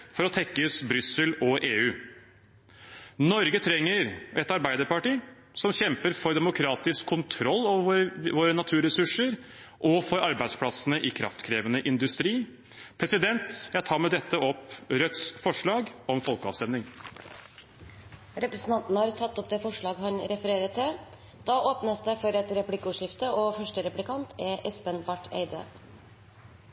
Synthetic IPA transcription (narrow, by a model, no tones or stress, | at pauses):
fɔɾɔt̪ʰɛkːəʉsbɾʏsəlɔʔeːʉː | nɔɾɡət̪ʰɾɛŋːəɾɛt̪ɑɾbæɪd̪əɾpɑʈiː | sɔmçɛmpəɾfɔɾd̪ɛmʊkʰɾɑːt̪ɪskʰːʊnt̪ʰɾɔlːɑʋoːɾənɑt̪ʰʉːɾɛsʉʂəɾ | ʔɔfɔɾɑɾbæɪspʰɽɑsənəʔɪkʰɾɑ̰ft̪kʰɾeːʋənəʔɪnd̪ʉst̪ɾiː | pʰɾɛsɪd̪ɛnt̪jæɪt̪ʰɑːɾmɛd̪ɛt̪ːəɔpɾœt̪sfɔʂɭɑːɡɔmfɔlˠkəɑːʋst̪ɛmnɪŋ | ɾɛpɾəsn̩t̪ɑnt̪nəhɑːɾt̪ʰɑt̪ːɔp̚d̪eːfɔʂɭɑːɡɦɑnɾɛfəɾeːɾət̪ʰːɪ | d̪̥ɑːʔoːpnəsd̪ɛfɔɾɛt̪ɾɛpʉlɪkːəʊːʂɪft̪əɔfœʂʈəɾɛplɪkʰɑnt̪ʰɛʔɛspənbɑʈʰːḛɪd̪ə̰